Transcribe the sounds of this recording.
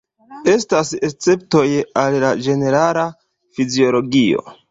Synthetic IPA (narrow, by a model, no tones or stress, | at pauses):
e̞staset͡se̞p̚to̞jallad͡ʒe̞ne̞ɾala | fizio̞lo̞ɡio̞̰